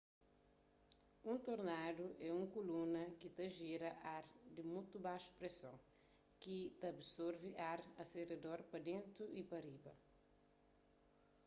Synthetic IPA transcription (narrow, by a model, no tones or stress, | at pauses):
ũnt̪oɾnad̪uʔɛũŋkulunɐkit̪ɐʒiɾɐʔaɾd̪ɪmũt̪ubaʃu̥pɾesɐ̰̃ | kit̪ɐbsɔɾviʔaɾɐsered̪ɔɾpɐd̪ẽnt̪ɾuʔipɐɾibɐ̰